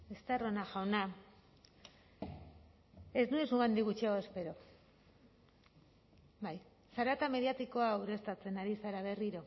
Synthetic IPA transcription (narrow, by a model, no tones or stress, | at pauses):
est̪aro̞naʝawna | e̞znuesuɣɡand̪iɣut͡ʃiaoespe̞ɾo̞ | baj | saɾat̪ame̞ðiat̪iko̞awɾe̞st̪at͡se̞naɾisaɾaβe̞riɾo̞